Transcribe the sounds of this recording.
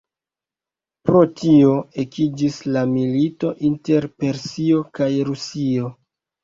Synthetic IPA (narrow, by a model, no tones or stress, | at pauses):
pɾo̞tio̞ekid͡ʒislamilito̞ʔinte̞ɾpe̞ɾsio̞kajɾusio̞